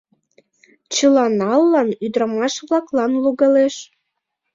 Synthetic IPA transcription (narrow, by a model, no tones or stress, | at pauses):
t͡ɕəlɑnɑlːɑnyd̪ɾɑmɑʃβlɑklɑnluɣɑleʃ